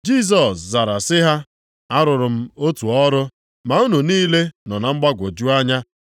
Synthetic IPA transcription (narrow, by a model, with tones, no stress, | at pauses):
d͡ʒi˦˨s̬ɔ˨sza˨ɾa˨sɪ˦ɦa˦ | a˦ɾʊ˨ɾʊ˨m̩˦o˦tu˨ɔ˦ɾʊ˦ | ma˨u˦nu˨niː˦le˦nɔ˨na˨ŋ͡m̩˦ɡ͡ba˦ɡʷo˨d͡ʒu˦a˦ɲa˦